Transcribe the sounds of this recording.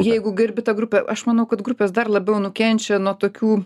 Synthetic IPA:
jɛɪɡʊɡʲɪɾʲbʲɪt̪ɐɡɾʊpʲɛʔɐʃmɐnɐʊkɐt̪ɡɾʊpʲeːsd̪ɐrlˠɐbʲɛʊnʊkʲɛnʲt͡ʃʲɛnuɔt̪oːkʲuː

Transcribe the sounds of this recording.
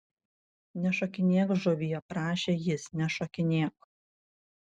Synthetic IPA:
nʲɛʃɔkʲɪnʲiɛkʒɔʋʲijɛpɾɑːʃʲeːjɪsnʲɛʃɔkʲɪnʲiɛk

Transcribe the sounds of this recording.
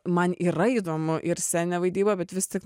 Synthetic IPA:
mɐnʔiːɾɐiːd̪oːmʊʔɪɾsʲæːnʲɛːʋɐɪd̪ʲiːbɐːbʲɛt̪ʋʲɪst̪ʲɪk

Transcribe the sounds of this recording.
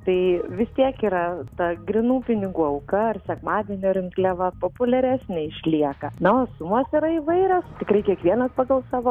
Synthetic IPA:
t̪ɐɪʋʲɪst̪ʲiɛkiːɾɐt̪ɐɡɾʲɪnuːpʲɪnʲɪɡuːɐʊkɐɐrsʲɛkmɑːd̪ʲɛnʲoːɾʲɪŋklʲɛʋɐpoːpʊlʲɛɾʲæːsʲnʲɛɪʃʲlʲiɛkɐnɐoːsʊmosɪɾɐɪʋɐɪɾʲost̪ʲɪkɾɐɪkʲiɛkʋʲiɛnɐspɐɡɐlˠsɑːʋoː

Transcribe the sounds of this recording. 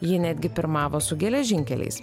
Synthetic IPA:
jɪnʲæːd̪ʲɡʲɪpʲɪɾmɑːʋoːsʊɡʲɛlʲɛʒʲɪŋʲkʲɛlʲɛ̰ɪs

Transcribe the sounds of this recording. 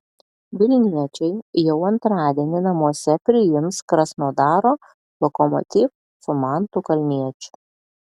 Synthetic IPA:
ʋʲɪlʲnʲiɛt͡ʃʲɛɪjɛʊɐnt̪ɾɑːd̪ʲiɛnʲɪnɐmuɔsʲɛpʲɾʲɪjɪmskɾɐsnoːd̪ɑːɾoː | lˠɔkɔmɔ̰t̪ʲiːf | sʊmɑˑnt̪ʊkɐlʲnʲiɛt͡ʃʲʊ̥

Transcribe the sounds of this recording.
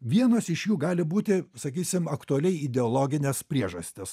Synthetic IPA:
ʋʲiɛnoːsɪʃjuːɡɑːlʲɪbuːt̪ʲɪsɐkʲiːsʲɪmɐkt̪ʊɐlʲɛɪɪd̪ʲɛoːlˠoːɡʲɪnʲɛspʲɾʲiɛʒɐsʲt̪ʲɪs

